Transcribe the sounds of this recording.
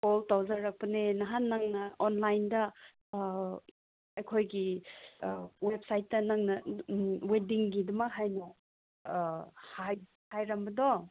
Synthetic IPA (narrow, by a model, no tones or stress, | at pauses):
oltawzaɾak̚pɐnenɐɦanːaŋnɐonlajndɐ | ɐjkʰojɡi | wep̚sajt̚ːɐnaŋnɐwediŋɡidɐmɐkɦajnɔ | haj | hajɾɐmbɐdɔ